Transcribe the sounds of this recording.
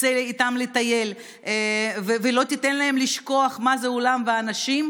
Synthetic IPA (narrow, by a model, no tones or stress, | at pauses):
eitamlet̪aje̞l | evevelo̞t̪ite̞nlae̞mliʃko̞aχmazeolamveaːnaʃim